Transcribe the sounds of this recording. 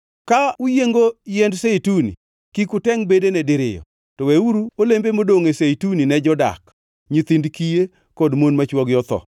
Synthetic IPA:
kaujeŋɡojɛndseitunḭ | kikʊtɛŋbedenɛdɪɾɪ̰jɔ̰ | tɔweuɾuolembemodoŋeseituninɛd͡ʒɔda̰k | ɲit̪indkije | kodmonmat͡ʃwɔɡjɔt̪ɔ̰

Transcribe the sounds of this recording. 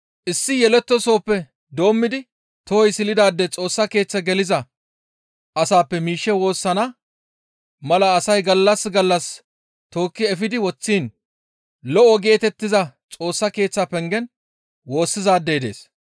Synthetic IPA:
ʔɪsːɪjɛlɛt̪ːɔso̞ːpːɛ | d̪o̞ːmːɪd̪ɪ | t̪ɔhɔjsɪlɪd̪aːd̪ːɛt͡sʼo̞ːsːɐke̞ːt͡sːɐɡɛlɪzɐ | ʔɐsaːpːɛmiːʃːɛwo̞ːsːɐnɐ | mɐlɐːsɐjɡɐlːɐsɡɐlːɐs | t̪o̞ːkːɪɛfɪd̪ɪwɔt͡sːiːn | lɔʔɔɡe̞ːt̪ɛt̪ːɪzɐt͡sʼo̞ːsːɐke̞ːt͡sːɐpɛŋɡɛn | wo̞ːsːɪzaːd̪ːejd̪e̞̰ːs

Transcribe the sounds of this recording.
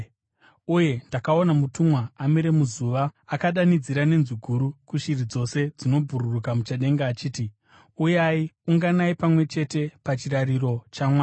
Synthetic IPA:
uje̞ndakao̞namutumwaːmiɾe̞muzuʋaakaɗanid͡ziɾane̞nzuɡʱuɾukuʃirid͡zo̞se̞d͡zino̞bʱuɾurukamut͡ʃaɗe̞ŋɡaːt͡ʃiːti | ujaiuŋɡanaipamwe̞t͡ʃe̞te̞pat͡ʃirariro̞t͡ʃamwaːa

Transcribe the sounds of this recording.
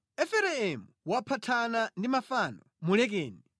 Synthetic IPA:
ɛfɛɾɛɛmuwapʰatʰanandimafanɔ | mulɛk̬ɛːni

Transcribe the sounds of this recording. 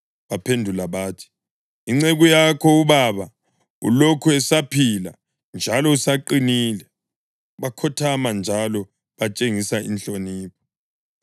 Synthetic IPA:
βapʰendʱulaβaːtʰi̥ | iŋ͡ǀeɣujakʰɔuβaβa | ṵlokʰuɛsapʰila̰ | nd͡ʒʱalɔusaǃiniːlɛ | βakʰɔtʰamand͡ʒʱalɔ | βat͡ʃʼeŋisaḭnɬʼoniːpʰɔ̥

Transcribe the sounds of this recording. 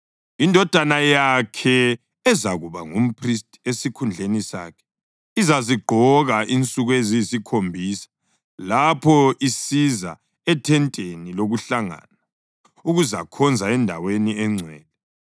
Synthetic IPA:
indʱɔd̥ʱanajakʰɛ | ɛzaɣuβaŋum̩pʰristʼesikʰund͡ɮʱenisa̰ːkʰɛ̥ | izaziɡ͡ǃʱɔɣaʔint͡sʼuɣweziisikʰombʱiːsḁ | lapʰɔisiza̰ | ɛtʰɛntʼeniloɣuɬaŋa̰ːna | uɣuza̰kʰɔnd͡zʱaɛndʱa̰weniɛŋ͡ǀʱɛːlɛ

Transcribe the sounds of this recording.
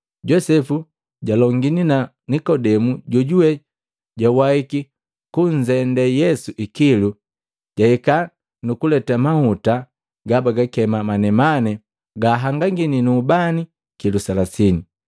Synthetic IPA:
ɟɔsɛfu | ɟalɔŋɡinina | nikɔdɛmuɟɔɟuwɛ | ɟawaiki | kuɲ̩d͡ʒɛndɛjɛsuʔikilu | ɟ̥aika | nukulɛtamahuta | ɡabaɡakɛmamanɛmanɛ | ɡaːɦaŋɡaŋɡininuːbani | kilusalasini

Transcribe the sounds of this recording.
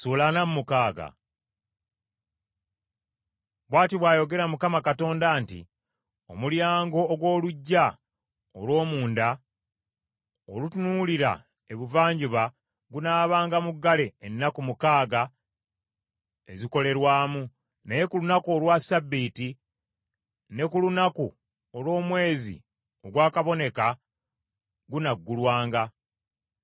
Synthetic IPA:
suːlanamumukaːɡa̰ | βwaːtiβwaːjo̞ɡe̞ɾamukamakato̞ːndaːntḭ | o̞̰muljaːŋɡo̞ːɡwo̞ːluɟːa | o̰lwo̞ːmuːnda | olutunuːliɾa̰ | e̞βuvaːɲɟiβa | ɡunaːβaːŋɡamuɡːale̞ːnːakumukaːɡa | e̞̰ziko̞le̞ɾwaːmu | naje̞kulunakuolwasabːiːti | ne̞kulunaku | olwo̞ːmwe̞ːzḭ | o̞ɡwaːkaβo̞ne̞ka | ɡunaɡːulwaːŋɡa

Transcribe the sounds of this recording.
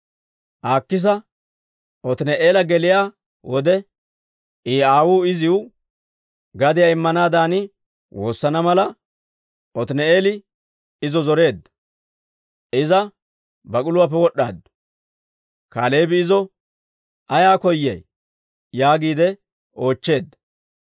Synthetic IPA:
ʔaːkːɪs̬ɐ | ʔɔt̪ɪnɛʔe̞ːlɐɡɛlɪjaː | wɔd̪ɛ | iːaːwuːɪzɪwʊ | ɡɐd̪ɪjaɪmːɐnaːd̪aːnɪ | wo̞ːsːɐnɐmɐlɐ | ɔt̪ɪnɛeːlɪ | ɪzɔzɔɾe̞ːd̪ɐ | ɪzɐ | bɐkʼʊlʊwaːp̬ːɛwɔɗa̰ːd̪ | kaːle̞ːbɪːzɔ | ɐjaːkɔjːɛ̰j | jaːɡiːd̪ɛ | o̞ːt͡ʃːe̞ːd̪ːɐ

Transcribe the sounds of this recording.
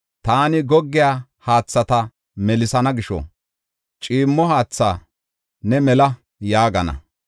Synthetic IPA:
t̪aːnɪɡɔɡːɪjaːhaːt͡sːɐt̪ɐ | mɛlɪsɐnɐɡɪʃɔ̰ | t͡ʃʼiːmːɔhaːt͡sːa̰ː | nɛmɛlɐ | jaːɡɐnɐ̰

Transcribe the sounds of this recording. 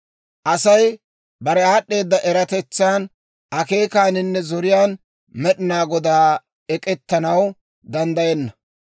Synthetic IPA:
ʔɐsɐj | bɐɾɛaːɗːe̞ːd̪ːɐʔɛɾɐt̪ɛt͡sːaːn | ʔɐke̞ːkaːnɪnːɛzɔɾɪjaːn | mɛɗɪnaːɡɔd̪aː | ɛkʼɛt̪ːɐnɐw | d̪ɐnd̪ɐjɛnːɐ

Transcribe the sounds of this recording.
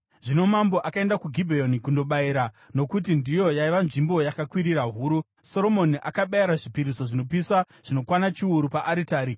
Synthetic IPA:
ʐino̞mamboʔakae̞ndakuɡʱibʱejonikundo̞ɓaiɾa | no̞kut̬indijo̞jaiʋanʐimbo̞jakakwiɾiraɦuːɾu | so̞ɾo̞mo̞niʔa̰kaɓajaɾaʐipiɾiso̞ʐino̞piswa | ʐ̥ino̞kwanat͡ʃiuɾupaʔaɾitaːɾi

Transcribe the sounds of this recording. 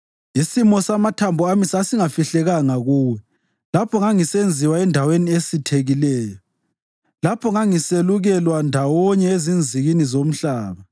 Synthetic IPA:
isimɔsamatʰambʱuamisasiŋafiɬɛɣaŋaɣuːwɛ | lapʰɔŋaŋisend͡zʱiwaɛndʱaweniesitʰeɣilɛːjɔ | lapʰɔŋaŋiseluɣɛlwandʱawɔɲɛezind͡zʱiɣinizom̩ɬaːβa

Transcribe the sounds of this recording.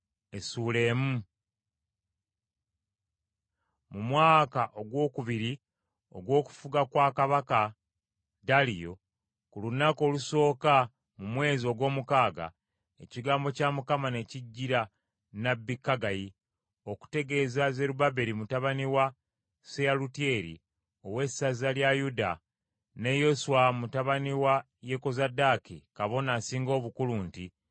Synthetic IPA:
esuːle̞ːmu | mumwaːkaʔo̞ɡwo̞ːkuβiɾi | o̞̰ɡwo̞ːku̥fuɡakwaːkaβaka | dalijo̞ | kulunako̞ːluso̞ːka | mumwe̞ːzio̞ɡwo̞ːmukaːɡa̰ | e̞ciɡaːmbocamukamane̞ciɟːiɾa | nabːikːaɡaji | o̞ku̥te̞ɡe̞ːzaze̞ɾubabe̞ɾimutaβaniwa | sealutie̞ːɾḭ | o̞we̞sazaljajuda̰ | ne̞jo̞suwamutaβaniwa | je̞ko̞zadakikaβo̞nasiːŋɡo̞ːβukuluːnti

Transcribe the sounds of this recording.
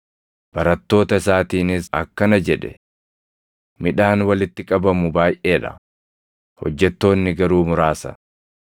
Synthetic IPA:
b̥ɐɾɐt̪ːo̞ːt̪ɐɪsaːt̪iːnɪsɐ̰kːɐnɐd͡ʒɛᶑɛ̰ | mɪᶑaːnwɐlɪt̪ːɪkʼɐbɐmʊbaːjʔe̞ːᶑɐ̰ | hɔ̰d͡ʒːɛt̪ːo̞ːnːɪɡɐɾuːmʊɾaːsɐ̰

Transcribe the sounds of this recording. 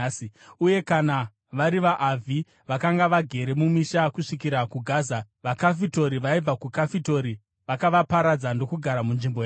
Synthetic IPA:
siuje̞kana | ʋaɾiʋaʔːvʱi | ʋakaŋɡaʋaɡʱe̞ɾe̞mumiʃakuʂikiɾakuɡʱaːza | ʋakafito̞ɾiʋaib͡vakukafito̞ɾi | ʋakaʋapaɾad͡zando̞kuɡʱaɾamunʐimboja

